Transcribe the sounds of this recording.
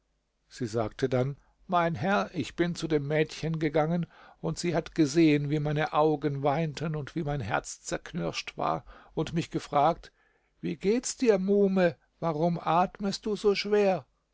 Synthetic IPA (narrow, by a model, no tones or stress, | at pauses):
z̥iːzaːktʰədan | maɪnɦɛɐʔɪçb̥ɪnt͡sudeːmːɛːtçənɡəɡaŋənʊntz̥iːhatɡ̥əzeːənviːmaɪnəʔaʊɡənvaɪntʰənʊntv̥iːmaɪnɦɛɐt͡st͡sɛɐkʰnʏɐʃtv̥a̰ːɐʊntmɪçɡ̥əfʁ̥aːk̚t | viːɡeːtt͡sd̥iːɐmuːmə | vaʁʊmʔaːtməst̚d̥uːzoːʃv̥eːɐ